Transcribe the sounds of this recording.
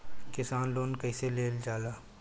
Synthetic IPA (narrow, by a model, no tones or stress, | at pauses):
kɪsaːnloːnkɐiseleːld͡ʒaːlaː